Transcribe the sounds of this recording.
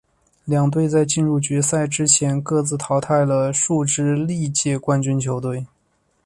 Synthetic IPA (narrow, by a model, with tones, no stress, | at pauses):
ljɑ˨˩ŋt̪we˥˧ɪt͡sa˥˧ɪt͡ɕi˥˧nɻu˥˩t͡ɕɥɛ˧˥sa˥˩ɪʈ͡ʂɻ̩˥t͡ɕʰjɛ˧˥nkɤ˥˧t͡sɹ̩˥˩t̪ʰɑ˧˥ʊt̪ʰa˥˩ɪlə˩ʂu˥˧ʈ͡ʂɻ̩˥li˥˧t͡ɕjɛ˥˩kwa˥nt͡ɕy˥nt͡ɕʰjo˧˥ʊt̪we˥˩ɪ